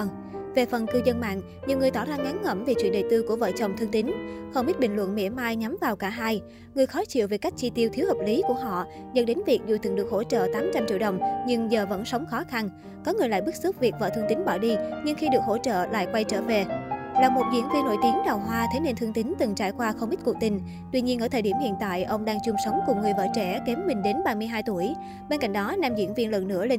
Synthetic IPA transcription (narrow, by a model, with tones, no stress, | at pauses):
ve˨˩fə˨˩nkɨ˧zə˧nma̰ː˧˨n | ɲi˨əwŋ˨˩əjt̪ɔ̰˧˩zaː˧ŋa˨˦nŋə˧˩mve˨˩t͡ɕwḭ˧ənɗə˨˩jt̪ɨ˧ku˧˩əvə̰ː˧˨t͡ɕə˨˩wŋ͡mt̪ʰɨ˧ŋt̪ï˨˦ŋ̟xə˧wŋ͡mʔi˦˥t̚ɓï˨˩ŋlwə̰˧˨nmḭ˧˥əmaː˧jɲa˨˦mvaː˨˩wkaː˧˩ɦaː˧j | ŋɨ˨˩əjxɔ˨˦t͡ɕḭ˧˨wve˨˩ka˦˥jk̚t͡ɕi˧t̪i˧əwt̪ʰi˨˦əwhəː˨˩p̚li˨˦ku˧˩əɦɔ̰˧˨ | zə̰˧˨˥nɗe˨˦nvi˨˩ək̚zu˨˩t̪ɨ˨˩ŋɗɨ˨˩ək̚ho̰˧˥˩t͡ɕə̰ː˧˨t̪aː˨˦mt͡ɕa˧mt͡ɕḭ˧˨əwɗə˨˩wŋ͡mɲɨ˧ŋzəː˨˩və̰˧˥nsə˨˦wŋ͡mxɔ˨˦xa˧n | kɔ˨˦ŋɨ˨˩əjla̰ː˧˨jɓɨ˦˥k̚su˦˥k͡p̚vi˨˩k̚va̰ː˨˩t̪ʰɨ˧ŋt̪ï˨˦ŋ̟ɓaː˧˩wɗi˧ɲɨ˧ŋxi˧ɗɨ˨˩ək̚ho̰˧˥t͡ɕə̰ː˧˨la̰ː˧˨jkwa˧jt͡ɕəː˧˩ve˨˩laː˨˩mo˨˩t̚zḭ˧˥ənvi˧nːo̰˧˥jt̪i˨˦əŋɗaː˨˩wɦwaː˧t̪ʰe˨˦ne˧nt̪ʰɨ˧ŋt̪ï˨˦ŋ̟t̪ɨ˨˩ŋt͡ɕaː˧˩jkwaː˧xə˧ŋ͡mʔi˦˥t̚ku˨˩k̚t̪ï˨˩ŋ̟ | t̪wi˧ɲi˧ənʔəː˧˩t̪ʰəː˨˩ɗi˧˩əmhḭ˧˨ənt̪a̰ː˧˨jʔə˧wŋ͡mɗaː˧ŋt͡ɕʊ˧ŋ͡msə˨˦wŋ͡mkʊ˨˩ŋ͡mŋɨ˨˩jvə̰ː˧˥t͡ɕɛ˧˩ke˨˦mmːï˨˩ŋ̟ɗe˨˦nɓaː˧mɨ˧əjɦaː˧jt̪u˧˩əj | ɓe˧nka̰˧˨jŋ̟ɗɔ˨˦naː˧mzḭ˧˥ənvi˧ənlwɨ̰˧˨nɨ̰˧˥əle˧n